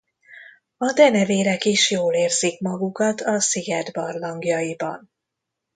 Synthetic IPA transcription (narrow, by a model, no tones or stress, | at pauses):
ɒd̪ɛnɛveːɾɛkiʃjoːleːrzikmɒɡukɒt̪ɒsiɡɛd̪bɒrlɒŋɡjɒjibɒ̰n